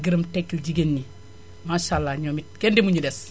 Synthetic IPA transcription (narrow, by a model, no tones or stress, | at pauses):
ɡiɾɐmtekːilɟiɡenːi | maʃalːaɲoːmit̚kendimuɲudɛs